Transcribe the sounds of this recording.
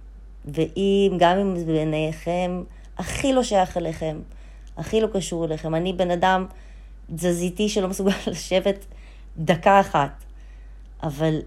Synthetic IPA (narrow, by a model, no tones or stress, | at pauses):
veʔimɡamimbeneχem | aχilo̞ʃajaχaleχem | aχilo̞kaʃuʁeleχe̞manibe̞nadam | zazitiʃelo̞mesuɡalːaʃe̞vet | d̪akaːχat | ʔaval